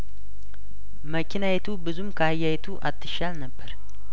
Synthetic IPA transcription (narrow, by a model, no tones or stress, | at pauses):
məkʰinajɛt̪ʰubɨzumkʰəhajːajɛt̪ʰuʔat̪ʰːɨʃalnəbːəɾ